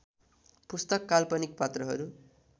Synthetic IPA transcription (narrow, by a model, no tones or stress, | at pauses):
pust̪ʌkːalpʌnik̚pat̪rʌɦʌ̰ɾu